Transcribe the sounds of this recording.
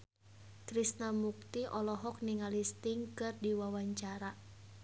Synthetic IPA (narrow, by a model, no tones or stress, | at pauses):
kɾisnamuk̚t̪iʔɔlɔɦɔk̚niŋalist̪iŋkɨrdiwawaɲt͡ʃaɾa